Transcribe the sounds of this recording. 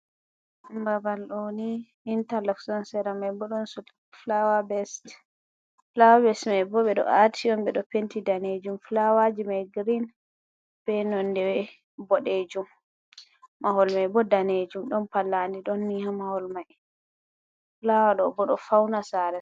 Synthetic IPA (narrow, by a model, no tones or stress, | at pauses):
mbabalɗɔniː | ntalaksɔnsɛɾamajbɔɗɔnsu | flawabɛst | flawabɛsmajbɔɓɛɗɔ̰ʔatʰiɔmbɛɗɔpentidaned͡ʒumflawad͡ʒimajɡɾin | bɛnɔndɛwɛ | bɔɗed͡ʒumː | ahɔlmajbɔdaned͡ʒumɗɔnpalːandiɗɔnːihamahɔlmaj | flawaɗɔbɔɗɔfawnasaɾɛ